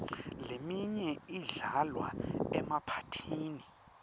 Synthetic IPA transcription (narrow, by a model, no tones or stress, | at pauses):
lemiɲɛiɮalwa̰ɛmapʰḁtʰiːni